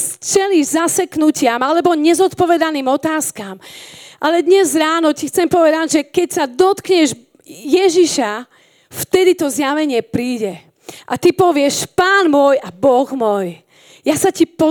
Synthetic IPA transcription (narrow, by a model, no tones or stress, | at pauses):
t͡ʃɛliːʒzasɛknucɪamalɛbɔɲɛzɔt̪pɔʋɛd̪aniːmɔt̪aːskamʔalɛd̪ɲɛzɾaːnɔcixt͡sɛmpɔʋɛd̪aɟʒɛkɛcsad̪ɔt̪kɲɛʒ | jɛʒiʃa | ft̪ɛd̪it̪ɔzjaʋɛɲɪɛpɾiːɟɛ | ʔat̪ipɔʋɪɛʃpaːnmʊɔjabɔɣmɔj | jasacipɔ